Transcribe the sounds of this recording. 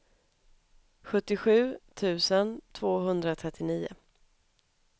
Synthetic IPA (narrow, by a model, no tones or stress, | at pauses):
ɧɵt̪ːɪɧʉ̟ːt̪ʰʉ̟ːsənt̪ʰv̥oːɦɵnd̪ɾat̪ʰɾɛt̪ːɪniːʊ̰